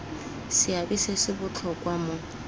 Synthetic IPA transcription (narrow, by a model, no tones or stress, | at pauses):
sɪabisesɪbʊt͡ɬʰɔkʼwamʊ